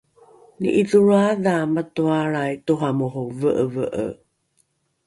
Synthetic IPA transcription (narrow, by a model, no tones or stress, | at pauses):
nḭʔiðuɾaðamətuaɾajtuɦamuɦuvəʔəvəʔə̰